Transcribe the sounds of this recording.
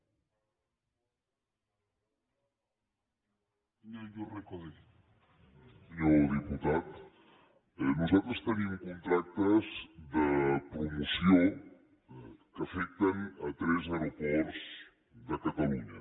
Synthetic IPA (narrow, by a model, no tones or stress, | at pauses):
əjorəkoðɛ | səɲoðiput̪at̪ | nuzalˠt̪ɾəst̪ənimkunt̪ɾak̚t̪əzðəpɾumusio | kəfɛk̚t̪ənət̪ɾɛzewɾupɔɾz | ðəkət̪əluɲə